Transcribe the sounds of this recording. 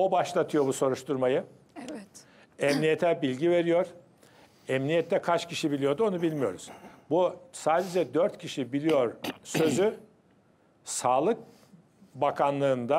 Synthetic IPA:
o̞baʃlˠat̪ʰɯjo̞buso̞ɾuʃt̪ʰuɾmajɯ | ɛmnijet̪ʰɛbilʲɟive̞ɾijo̞ɾ̥ | ɛmnijɛt̪ʰːɛkʰat͡ʃcʰiʃibilʲijo̞d̪o̞nubilʲmijo̞ɾuz̥busaːd̪ed͡ʒɛd̪øɾt̪cʰiʃibilʲijo̞ɾsø̞zy | saːlˠɯk̚ | bakʰanlˠɯːnd̪a

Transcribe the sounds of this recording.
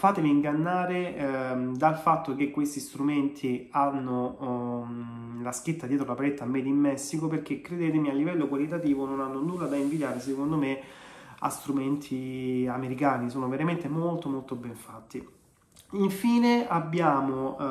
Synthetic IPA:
faːt̪eviːŋɡanːaːɾe | d̪alfat̪ːok̟ekːwest̪ist̪ɾument̪ʰianːo | lask̟it̪ːad̪jɛːt̪ɾolapaɾet̪ːamːɛːd̪imːɛsːikoperk̟ekːɾed̪eːt̪̬emialːivɛlːokwalit̪at̪iːvononanːonulːad̪aiɱvid̪jaːɾes̬ekond̪ome | a̰st̪ɾument̪ʰiameɾikaːnisoːnoveɾament̪emolt̪omolt̪obɛɱfat̪ːi | iɱfiːneabːjaːmo

